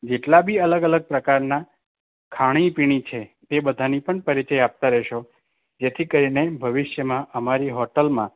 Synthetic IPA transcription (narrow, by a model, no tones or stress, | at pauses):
d͡ʒeʈlabʱiələɡələɡ̚pɾəkaɾna | kʰaɽ̃ipiɽ̃it͡ʃʰet̪ebəd̪ʱanipəɳpəɾit͡ʃəjap̚t̪aɾɛɦʃo | d͡ʒet̪ʰikəɾinebʱəʋɪʃjəmãʔəmaɾiɦɔʈəlmã̰